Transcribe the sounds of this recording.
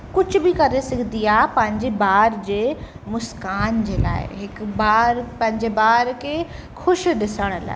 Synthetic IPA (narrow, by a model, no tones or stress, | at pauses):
kʊd͡ʑʱʊbɪkɐɾesɪɡʱnd̪iaːpɐ̃ɦɪ̃ɲd͡ʑebaːɾd͡ʑeː | mʊskaːnd͡ʑeːla̰ːɪ̰ɦɪkbaːɾpɐ̃ɦɪ̃ɲd͡ʑebaːɾkʰe | xʊʃɗɪsəɽ̃ə̆la̰ː